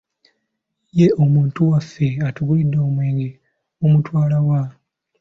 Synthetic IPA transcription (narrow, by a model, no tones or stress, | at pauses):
jeʔomuːntuwafːe̞atuɡulidːaomweːŋɡe | omutwaːlawa